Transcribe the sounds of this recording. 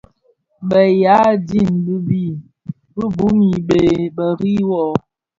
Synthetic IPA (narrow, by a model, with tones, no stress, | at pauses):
bə˨ja˨˦di˦˨nbi˦bi˦˨ | bə˦bu˨˦mi˨be˨bə˨ɾi˦wɔ˦˨ʔɔ˨